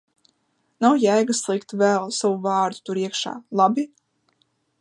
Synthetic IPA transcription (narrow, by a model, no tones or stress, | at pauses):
nawjæjɡaslˠikt̪vɛlˠsavuvɑːɾd̪u̥t̪uɾiɛkʃa̰ːlˠabi